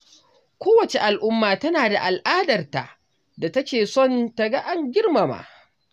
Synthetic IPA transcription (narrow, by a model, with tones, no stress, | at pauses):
kʷoː˦wɐ˨t͡ʃe˨ʔa˨lʔʊ˦mːaː˨tɐ˦naː˨da˨ʔa˨lʔaː˦dɐ˨rta̰˨ʔ | da˨tɐ˦kʲeː˨sɔ˦˨ntɐ˨ɡa˦ʔa˦ŋɡʲɪ˦rmɐ˨ma̰ː˦ʔ